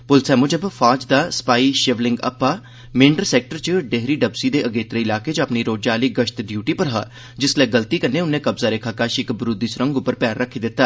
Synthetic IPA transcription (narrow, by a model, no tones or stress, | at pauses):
pʊlsɛːmʊd͡ʒəbfʰaːd͡ʒd̪aːsə̥paːiːʃeʋlɪŋɡə̰pːaː | mɪ̃ɳɖəɾsɛːk̚ʈəɾt͡ʃəɖeɦɾiːɖəbsid̪eːʔəɡeːt̪ɾeːɪlaːket͡ʃapniːɾoːd͡ʒaːliːɡəʃt̪ɖjuːʈiːpəɾɦa̰ː | d͡ʒɪsleːɡəlt̪iːkəneːʊnːẽːkəbzaːɾeːkʰaːkaːʃɪkbɾʊd̪iːsʊɾə̃ŋɡʊpːəɾpɛːɾːəkʰːiːd̪ɪt̪ːaː